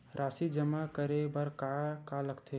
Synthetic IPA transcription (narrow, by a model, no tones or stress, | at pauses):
ɾʔaːsid͡ʒəmakəɾebəɾkakaləɡt̪ʰe